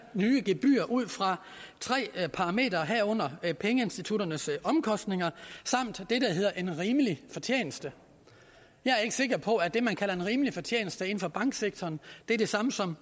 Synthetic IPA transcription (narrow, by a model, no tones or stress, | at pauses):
nyːəɡ̥e̝b̥y̰ːɐʔuð̞̰ˠfʁɑ̈ | t͡sʰʁɛ̰ːpʰɑ̈ʁɑ̈me̝̰ːd̥ɐɦæɐ̰ɔ̽n̰ɐpʰeŋəe̝nsd̥it͡sʰuɾ̥ɐnəsɒ̽mkʰɒ̽sd̥ne̝ŋɐsɑ̈m̰d̥ːe̝d̥æɦe̝ð̰ˠɐʔe̝nʁiːməlifɒ̽t͡ɕʰjḛːnəsd̥ə | jɑ̈ɪæɐe̝ɡ̥ə̥se̝ɡ̥ɐpʰɒ̽æd̥e̝mænkʰælɐe̝nʁiːməlifɒ̽t͡ɕʰjḛːnl̩sd̥əe̝n̩fɒ̽b̥ɑ̈ŋ̰ɡ̥seɡ̥̚t͡sʰɒːnd̥e̝æɐd̥e̝sɑ̈məsɒ̽m